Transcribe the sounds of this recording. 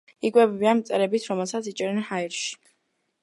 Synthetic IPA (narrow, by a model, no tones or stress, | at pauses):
ikʼwɛbɛbianmt̪sʼɛɾɛbit̪ʰɾɔmɛlˠsat̪sʰit͡ʃʼɛɾɛnhaiɾʃi̥